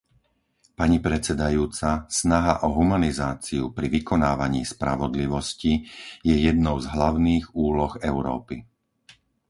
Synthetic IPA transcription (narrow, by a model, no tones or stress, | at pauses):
paɲipɾɛt͡sɛd̪ajuːt͡sasnaɦaʔɔɦumanizaːt͡siupɾiʋikɔnaːʋaɲḭːspɾa̰ʋɔd̪liʋɔscijɛjɛd̪nɔʊzɦlaʊniːɣuːlɔɣɛʊɾɔ̰ːpi